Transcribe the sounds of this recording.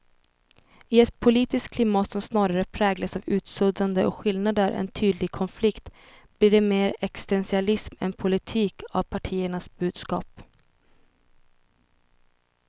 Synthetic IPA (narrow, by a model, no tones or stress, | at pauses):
ɪɛt̪pʰʊliːt̪ɪskkʰlɪmɑːt̪sɔmsnɑːɾaɾəpʰɾɛːɡlasavʉ̟ːt̪sɵd̪ɾand̪əʔɔ̰kɧɪlnad̪əɾʔɛ̰nt̪ʰyːd̪lɪɡkʰɔnflɪkt̪ | b̥liːɖɛmeːɾɛkst̪ɛnsɪalɪsmɛ̰npʰʊlɪt̪ʰiːkʰa̰vpʰaʈʰiːəɳasbʉ̟ːd̪skɑ̰ːp